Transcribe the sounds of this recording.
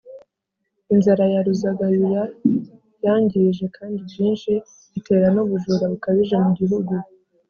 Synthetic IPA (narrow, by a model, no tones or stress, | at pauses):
inzaɾajaɾuzaɡajuja | jaːɲɟiʒe̞kʰaːndibjiːnʃi | itʰe̞ːɾanuβuʒuːɾaβukaβiʒemuɟiɦuɡu